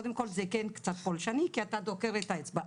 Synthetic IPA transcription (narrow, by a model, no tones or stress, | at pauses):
od̪emko̞lzekenkt͡sat̪̚polʃanikiat̪ad̪okeʁet̪aet͡sbaʔ